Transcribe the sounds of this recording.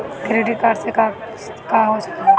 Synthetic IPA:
kɾeʈikaːɖseka | kaːɦosɐ̥kaːɦ

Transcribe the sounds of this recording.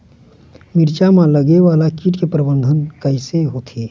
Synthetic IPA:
mɪɾt͡ʃamãləɡeʋaːlakiːʈkepɾəbə̃nd̪ʱənkəɪseɦoːt̪ʰeː

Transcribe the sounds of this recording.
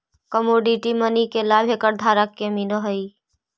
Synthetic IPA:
kəmoːɖiʈimənikelaːbʱeːkəɾd̪ʱaːɾəkːeminəɦəi

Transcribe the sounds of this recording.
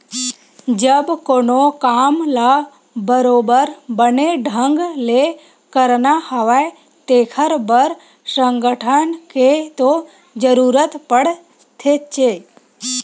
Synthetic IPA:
d͡ʒəbkoːnokaːmla | bəɾoːbəɾbəneɖʱə̃ŋɡle | kəɾnahəʋae | t̪eːkʰəɾbəɾ | səŋɡəʈʰənket̪o | d͡ʒəɾuːɾət̪pəɽ | t̪ʰet͡ʃe

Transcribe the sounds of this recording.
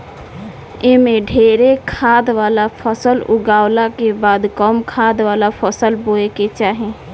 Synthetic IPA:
emẽɖʱeɾekʰad̪ʋaːlapʰəsəlʊɡawlakebaːd̪kəmkʰad̪ʋaːlapʰəsəlboeket͡ʃaːɦẽ

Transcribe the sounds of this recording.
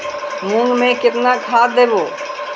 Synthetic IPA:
mũːŋɡmẽkɪt̪naːkʰaːd̪eːʋoː

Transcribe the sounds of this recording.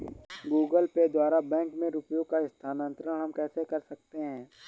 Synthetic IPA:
ɡuːɡəlped̪waːɾabɛ̃ːŋkmẽɾuːpjõkaɪst̪ʰaːnə̃nt̪ɾəɽɦɐmkɛːsekɐɾsɐk̚t̪eɦɛ̃ː

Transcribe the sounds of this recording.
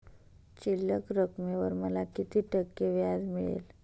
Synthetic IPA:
t͡ɕiləkɾəkmeʋəɾməlakit̪iːʈəkːeʋjad̪miɭḛl

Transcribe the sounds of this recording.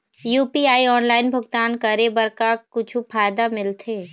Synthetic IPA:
juːpiaːiɔːnlaːɪnbʱʊɡt̪aːnkəɾebəɾkakʊt͡ʃʰupʰaːɪd̪amɪlt̪ʰeː

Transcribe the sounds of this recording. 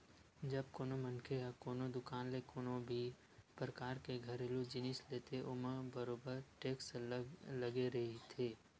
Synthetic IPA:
d͡ʒɐb̚koːnomɐnkʰeɦakoːnod̪ʊkaːnlekoːnõbʱi | pɾəkaːɾkeɡʱɐɾelod͡ʒɪnɪsleːt̪eʔʊməbəɾoːbəɾʈeːkslɐɡeɾɐɦit̪ʰeː

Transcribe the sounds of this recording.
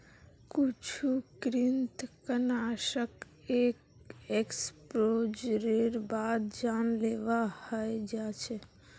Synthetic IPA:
kut͡ʃʰukɾɪnt̪kənaʃək | ek | ekspɾod͡ʒɾeɾbad̪d͡ʒanleʋahəjd͡ʒat͡ʃʰe

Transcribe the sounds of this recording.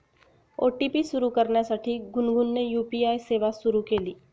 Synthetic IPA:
oːʈipiʃʊɾukɐɾnasɐʈʰik̚ɡʊnɡʊnːejuːpiaːiseːʋaʃʊɾukeliː

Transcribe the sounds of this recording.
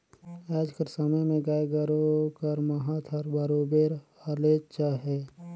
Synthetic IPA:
ɛːd͡ʒkəɾsəməjmẽɡaːeɡəɾokəɾmɐɦãt̪ʰəɾbaɾoːbeːɾaleːt͡ʃaɦɛː

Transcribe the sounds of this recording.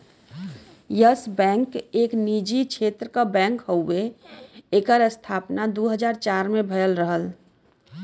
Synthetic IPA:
jəsbɛ̃ŋkeːknid͡ʒit͡ʃʰet̪ɾəkabɛ̃ŋkɦoʊe | eːkəɾəst̪ʰaːpnad̪oɦəd͡ʒaːɾt͡ʃaɾmebʱəjəlɾəɦəl

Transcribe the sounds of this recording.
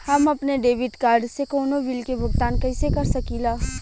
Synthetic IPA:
hɐmɐpneɖeːʋɪʈkaːɾɖsekoːnoʋilkebʱʊɡt̪aːnkɐɪsekɐɾsɐkiːlaː

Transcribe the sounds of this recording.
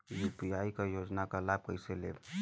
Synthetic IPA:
jupijaːikajoːd͡ʒnakalaːb̚kəɪselḛː

